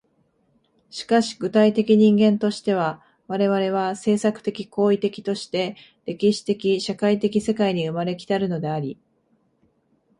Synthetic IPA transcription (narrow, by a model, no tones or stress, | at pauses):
ɕi̥kaɕi̥ɡɯ̟t̪ait̪e̞kʲiɲ̟ĩŋɡẽ̞nt̪o̞ɕi̥t̪e̞β̞a | βaɾe̞βaɾe̞β̞ase̞ːsakɯ̟̥t̪e̞kʲiko̞ːit̪e̞kʲi̥t̪o̞ɕi̥t̪e̞ | ɾe̞kʲiɕi̥t̪e̞kʲiɕakait̪e̞kʲise̞kaiɲ̟iɯ̟maɾe̞kʲi̥t̪aɾɯ̟no̞d̪e̞aɾʲi